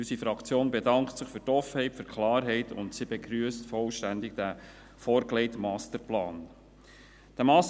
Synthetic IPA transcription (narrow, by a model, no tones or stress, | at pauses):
ysifɾɑkt͡sjoːnbɛdɑŋktsɪχfyɾtɔfhɛɪtføɾkʰlɑːɾɦɛɪtʰʊ̰ntsibɛɡɾyəstfɔlʃtændɪɡ̚d̥æ | fɔːɾklɛɪtmɑːstəɾplɑːn | d̥æmɑːs